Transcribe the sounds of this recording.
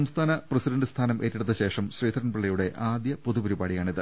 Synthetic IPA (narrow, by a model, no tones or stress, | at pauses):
ɐmst̪ʰaːnɐprɐsiɖɐɳɖɨst̪ʰaːnɐmʔe̞ːtːiɽut̪ːɐɕe̞ːʂɐmɕriːd̪ɐɾɐnpeɭːɐjuɽe̞ʔaːd̪jɐpoðupɐɾubaːɽijaːɳiðɨ